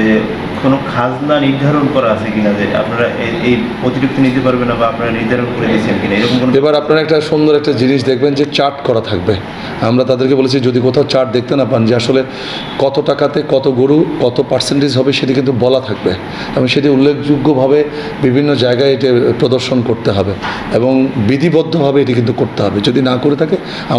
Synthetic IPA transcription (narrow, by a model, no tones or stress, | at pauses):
e | konokʰad͡ʑnaniɾd̪ʱaɾonkɔɾaat͡ɕʰekinad͡ʑea̰pnaɾaʔeejpɾot̪iɾuk̚t̪onit̪epaɾbenːabaapnaɾaniɾd̪ʱaɾonkoɾed̪it͡ɕʰenkinaeɾɔkomkonoebaɾapnaɾaɛk̚ʈaʃond̪oɾɛk̚ʈad͡ʑiniʃd̪ekʰbend͡ʑet͡ɕaɾʈkɔɾat̪ʰak̚be | amɾat̪ad̪eɾkebolet͡ɕʰid͡ʑod̪ik̬ot̪ʰaot͡ɕaɾʈ̚d̪ek̚t̪enapand͡ʑeaʃole | kɔt̪oʈakat̪ekɔt̪oɡoɾukɔt̪opaʈsenʈizɦɔbeʃeʈikint̪ubɔlat̪ʰak̚be | eboŋʃeʈiulːekʰd͡ʑuɡːobʱabe | bibʱinːod͡ʑaeɡaeeʈ̬epɾod̪oɾʃonkoɾt̪eɦɔbe | eboŋbid̪ʱibɔd̪ʱːobʱabeeʈikint̪̬ukoɾt̪eɦɔbed͡ʑod̪inakoɾet̪ʰake | a